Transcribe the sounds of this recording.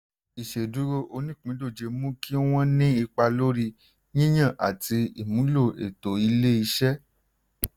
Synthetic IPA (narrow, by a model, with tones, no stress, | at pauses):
i˨ʃe˨du˨˦ɾo˧ʔo˧nĩ˦k͡pĩ˨˦do˦˨d͡ʒe˧mũ˦kʰi˦w̃ɔ̃˦nĩ˦i˧k͡pa˧lo˦ɾi˧ | ɲĩ˦j̃ã˦˨ʔa̰˨ti˧ḭ˨mũ˨˦lo˦˨ḛ˨to˨i˧le˦i˧ʃɛ˦